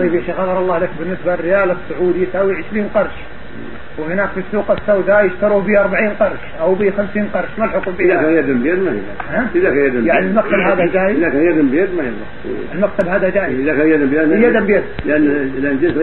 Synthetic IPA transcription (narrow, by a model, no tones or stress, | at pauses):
iːbiʃiɣɑðˤɑɾˤɑlˤːɑːhlakbɪnːɪsbalrːɪjaːlasːʊʕuːd̪ijɪsaːwiʕɪʃɾiːnqɑɾˤʃ | whɪnaːkfisːuːqɪsːawd̪ajɪʃt̪ɑɾuːhbiʔɑɾˤbaʕiːnqɑɾˤʃʔawbixamsiːnqɑɾˤʃmalħʊqubiðakaːnjad̪mbjad̪maj̰lahaʔɪðakanjad̪mjaʕnilmak̚t̪abhaːðad͡ʒaːjɪɪðakanjad̪mbjad̪majɑlˤːɑ̰ | ɪlmak̚t̪abhaːðad͡ʒaːjzɪðakaːnjad̪mbjad̪jad̪ambjad̪lʔanːʔanːd͡ʒɪs